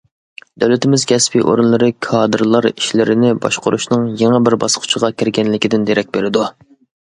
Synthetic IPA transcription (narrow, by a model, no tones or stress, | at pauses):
d̪̥ɛwlɪt̪ʰɪmɪzkʲʰɛspʰiʔo̰ɾɨnlˠɨɾɨkʰɑːd̪ɨɾlˠɑɾiʃlɪɾɪnɪbɑ̰ʃqʊɾuʃnɨŋjeŋɛbɪɾbɑsqʰʊ̥t͡ʃʰəʁɑkʲɪɾɡʲɛnlɪkʲid̪ɪnd̪eɾɛk̚ʲbeɾɪd̪u